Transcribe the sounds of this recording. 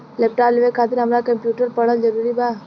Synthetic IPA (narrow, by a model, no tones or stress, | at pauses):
lep̚ʈaplʋekʰat̪ɪɾɦəmɾakəmpjuʈəɾpəɽ̤əld͡ʒəɾuːɾiba